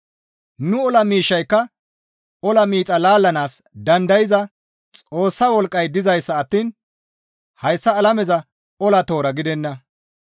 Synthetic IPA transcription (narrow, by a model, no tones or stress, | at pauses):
nʊɔlɐmiːʃːɐjkːɐ | ɔlɐmiːt͡sʼɐlaːlːɐnaːsd̪ɐnd̪ɐjɪzɐ | t͡sʼo̞ːsːɐwɔlkʼːɐjd̪ɪzɐjsːɐːt̪ːiːn | hɐjsːɐːlɐmɛzɐ | ɔlɐt̪o̞ːɾɐɡɪd̪ɛnːɐ